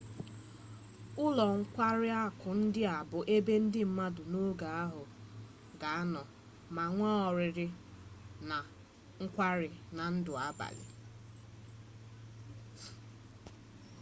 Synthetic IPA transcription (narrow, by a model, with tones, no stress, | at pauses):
ʊ˦lɔ˨ŋ̩˦kʷa˦ɾɪ˦a˦kʊ˨n̩˦dɪ˦a˨bʊ˨ʔe˦be˦n̩˦dɪ˦m̩˦ma˦dʊ˨no˦ɡa˨a˦ɦʊ˨ | ɡa˨a˦nɔ˨ | ma˨ŋʷɔ˦ɔ˨ɾɪ˨ɾɪ˦ | na˨ | ŋ̩˦kʷa˦ɾɪ˨na˨n̩˦dʊ˨a˦ba̰˨lɪ̰˨